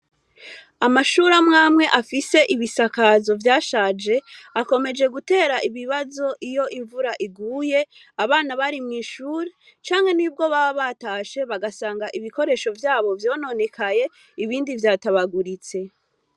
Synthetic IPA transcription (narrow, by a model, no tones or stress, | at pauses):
amaʃuɾamŋaːmŋe̞ʔafise̞ʔiβisakazo̞vjaːʃaːd͡ʒe̞ako̞me̞d͡ʒe̞ɡute̞ːɾaʔiβiβazo̞ʔijo̞ʔiɱvuɾaʔiɡuːje̞ | aβaːnaβaɾimŋiːʃuːɾe | t͡ʃaːŋhe̞niːb̚ɡo̞βaβaβataːʃe̞βaɡasaːŋɡaʔiβiko̞ɾe̞ʃo̞vjaːβo̞vjo̞ːno̞ne̞kʰaje̞ | iβiːndivjaːtaβaɡuɾit͡se̞